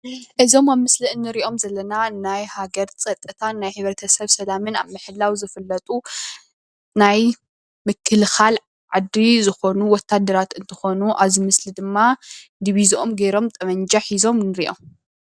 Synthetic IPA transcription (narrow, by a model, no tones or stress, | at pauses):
ʔɨzo̞maβmɨsliɨnːɨɾiʔo̞mzɐlːɐnanajhaɡɐɾt͡sʼɐt̪ʼːɨt̪ʰanːajħɨβɾɐt̪ʰɐsɐβsɐlamɨna̰βmɨħɨlːawzɨfɨlːɐt̪ʼu | naj | mɨkʰːɨlxal | ʕad̪ːizɨxo̞nuwɔt̪ʰːad̪ːɐɾat̪ɨnt̪ʰɨ̥xo̞nuʔaβzimɨslid̪ɨmːad̪iβiziʔomɡeɾo̞mt̪ʼɐmɐnd͡ʒaħizo̞mnɨɾiʔo̞̰m